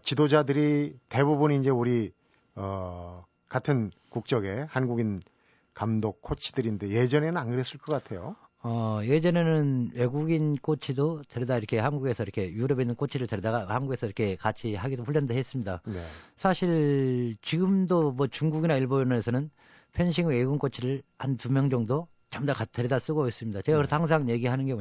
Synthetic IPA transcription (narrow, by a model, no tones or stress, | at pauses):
t͡ɕidod͡ʑadɯɾite̞bubuniːnd͡ʑe̞uɾi | ʌ | katʰɯn | kuk̚t͡ɕ͈ʌɡe̞hanɡuɡin | kamdok̚kʰːot͡ɕʰi̥d̥ɯɾinde̞je̞d͡ʑʌnenɯnanɡɯɾes͈ɯɭk͈ʌk͈atʰe̞jo | ʌje̞d͡ʑʌne̞nɯnwe̞ɡuɡink͈ʰot͡ɕʰidoteɾidaiɾʌkʰe̞hanɡuɡe̞sʰʌiɾʌkʰe̞juɾʌbinːɯnkʰot͡ɕʰiɾɯɭteɾdaɡahanɡuɡe̞sʰʌiɾʌkʰe̞kat͡ɕʰihaɡidoɸuɭʎːʌndɯɭɦes͈ɯmɲidanḛsʰaɕʰiɭt͡ɕiɡɯmdomwʌt͡ɕuŋɡuɡinaiɭbonnesʰʌnɯn | pʰenɕʰiŋweɡuɡink͈ot͡ɕʰiɾɯɭhanpumjʌŋd͡ʑʌŋdo | t͡ɕamdakatʰeɾidas͈ɯɡos͈ɯmɲidat͡ɕe̞ɣakɯɾsʌhaŋs̬ʰaŋje̞ɡiɦanɯnɡe̞bo